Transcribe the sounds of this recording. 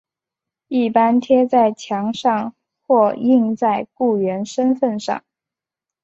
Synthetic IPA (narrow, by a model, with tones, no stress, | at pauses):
i˥˩pa˥nt̪ʰjɛ˥t͡sa˥˩ɪt͡ɕʰjɑ˧˥ŋʂɑ˥˧ŋ | xwɔ˥˩i˥˧ŋt͡sa˥˧ɪku˥˩ɥɛ˧˥nʂə˥nfə˥˧nʂɑ̰˥˩ŋ